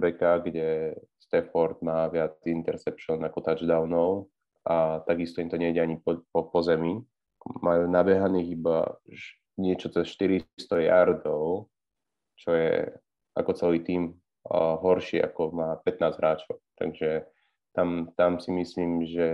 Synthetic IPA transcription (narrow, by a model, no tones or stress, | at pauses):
bɛkaɡɟɛst̪ɛfɔɾd̪maːʋɪaint̪ɛɾsɛpʃɔnakɔt̪ad͡ʒd̪aʊnɔʊ | at̪aɡist̪ɔimt̪ɔɲɛiɟɛaɲippɔpɔzɛmi | majuːnabɛɦaniːɣiba̰ʃ | ɲɪɛt͡ʃɔt͡sɛsʃt̪iɾist̪ɔja̰ɾd̪ɔʊ | t͡ʃɔjɛ̰ | ʔa̰kɔt͡sɛliːt̪iːm | ɦɔɾʃḭːʔa̰kɔmaːpɛt̪̚naːzɦɾaːt͡ʃɔʊt̪a̰ɡʒɛ | t̪amt̪amsimisliːmʒɛ